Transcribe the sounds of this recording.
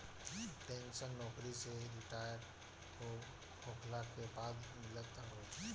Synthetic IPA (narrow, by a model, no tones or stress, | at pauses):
ʈẽːnʃənːɔːkɾiseɾɪʈaːjəɾɖ | ko | kʰoːkʰlakebaːd̪mɪlət̪ːaɾoː